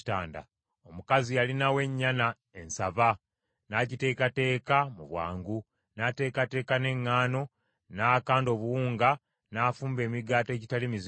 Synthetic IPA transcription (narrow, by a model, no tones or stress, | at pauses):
ta̰ːnda̰ | o̞mukazijalinawe̞ɲːana | e̞nsava | naɟite̞ːkate̞ːkamuβwa̰ːŋɡu | nate̞ːkate̞ːkane̞ŋːaːno̞ | naːkaːndo̞ːβuwuːŋɡa | naːfuːmbe̞ːmiɡaːtoe̞ːɟitalimiz